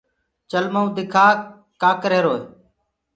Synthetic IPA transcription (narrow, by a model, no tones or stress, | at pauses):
t͡ʃəlməũd̪ɪkʰaː | kaːkɾeːɾoːeː